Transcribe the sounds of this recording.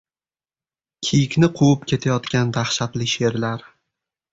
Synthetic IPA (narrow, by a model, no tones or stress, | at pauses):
kʲʰijɪkʲnɪqʰowɪpkʲe̞t̪ʰajɒt̪kʲand̪ahʃat̪lɪʃe̞ɾlaɾ